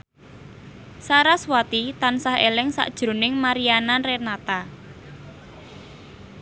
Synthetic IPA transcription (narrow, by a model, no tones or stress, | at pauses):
saɾaswat̪it̪ansahelɪŋsa̰ʔd̥ʒ̥ɾo̤nɪŋmaɾiananrenat̪a